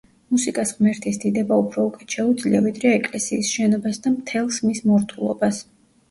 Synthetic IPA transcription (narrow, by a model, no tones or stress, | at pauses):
musikʼasʁmɛɾt̪ʰisd̪id̪ɛbaupʰɾɔukʼɛʃʰɛud̪zliavid̪ɾɛaɛkʼlɛsiːsʃɛnɔbasd̪amt̪ʰɛlˠsmismɔɾt̪ʰulˠɔ̰bas